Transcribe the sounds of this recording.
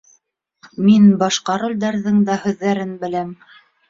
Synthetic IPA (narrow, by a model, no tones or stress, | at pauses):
minbɑʃqɑɾŏlʲd̪æɾðɘŋd̪æhʉðːæɾɘnbɘ̆læm